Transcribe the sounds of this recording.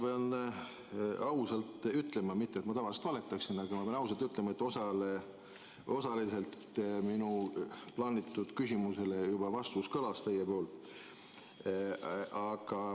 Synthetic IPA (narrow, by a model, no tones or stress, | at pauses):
ɑpeɑn | ɑwsɑlt̪ˑyt̪ːˑle̞mɑmit̪ːemɑt̪ɑvɑlse̥t̪vɑlet̪ːˑɑksinɑɡ̥ɑmɑpeɑnɑws̬ɑlt̪yt̪lemɑe̞t̪ːˑo̞sɑle | o̞sɑlise̞lt̪minuplɑːnʲit̪ːˑud̪̥kysʲimuse̞le̞jubɑvɑst̪uskɤlɑst̪e̞jepo̞ːlt̪ˑ | ɑɡ̥ɑ